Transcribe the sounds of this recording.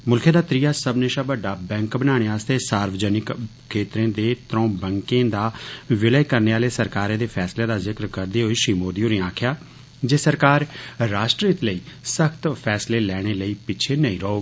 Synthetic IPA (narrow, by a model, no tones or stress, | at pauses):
mʊlkʰẽːd̪aːt̪ɾiːjaːsəbneːʃaːbəɖaːbɛ̃ːŋkbənaːɽ̃eːaːst̪eːsaːɾʋd͡ʒɛːnɪkkʰːeːt̪ɾẽːd̪eːt̪ɾõːbɛ̃ŋkẽːd̪aːʋɪləjkəɾneːaːleːsəɾkaːɾẽːd̪eːpʰɛːsleːd̪aːzɪkɾkəɾd̪eːɦoːiːʃɾiːmoːd̪iːoːɾẽːãːkʰjaː | d͡ʒeːsəɾkaːɾːaːʃʈɾiːt̪ləiːsəkʰt̪pʰɛːsleːlɛːɽ̃eːləiːpɪt͡ʃʰeːnəĩːɾəoːɡ